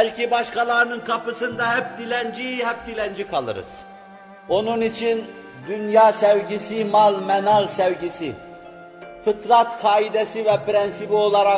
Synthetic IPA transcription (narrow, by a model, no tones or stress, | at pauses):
bælʲcʰibaʃkʰalˠaɾɯnɯnkʰapɯsɯnd̪ɑhɛp̚d̪ilʲænd͡ʒijɦɛp̚d̪ilʲɛnd͡ʒikʰalˠɯ̰ɾɯ̰z̥ | o̞nunit͡ʃʰin | d̪ynjaːsɛvɟisimalˠmɛnalˠsɛvɟisi | fɯt̪ʰɾat̪kʰaːid̪ɛsivɛpɾɛnsibio̞lˠaɾa